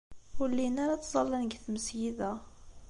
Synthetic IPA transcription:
ʊlːinaɾat͡sːzˤɑlːænəɡθməsjiðæ

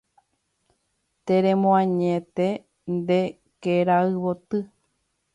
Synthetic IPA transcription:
t̪eɾẽmõãɲẽt̪e | nd̪e | keɾaɨβot̪ɨ

